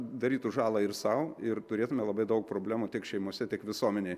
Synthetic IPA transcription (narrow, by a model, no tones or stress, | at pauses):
d̪ɐɾʲiːt̪ʊʒɑːlˠɑɪɾsɐʊɪɾt̪ʊɾʲeːt̪ʊmʲɛlˠɐbɐɪd̪ɐʊk̚pɾoːbʲlʲæːmut̪ʲɪkʃʲɛɪmoɔsʲɛt̪ʲɪkʋʲɪsuɔmʲɛnʲeɪ